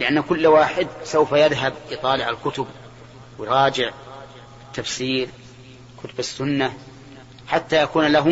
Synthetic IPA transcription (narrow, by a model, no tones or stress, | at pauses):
lɪʔanːakʊlːwaːħɪd̪sawfajɪðɦabjt̪ˤɑːlɪʕalkʊt̪ʊb | wjɾˤɑːd͡ʒɪʕ | ɪt̪ːafsiːɾ | kʊt̪ʊbasːʊnːa | ħat̪ːajakuːnlaɦʊ